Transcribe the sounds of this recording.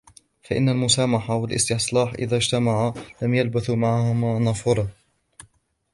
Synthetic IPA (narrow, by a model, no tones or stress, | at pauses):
faʔɪ̰nːalmʊsaːmaħawalʔɪ̰st̪ɪslaːħʔɪ̰ðaːd͡ʒt̪amaʕalamjalbaθumaʕahʊmaːnɑfʊɾˤɑ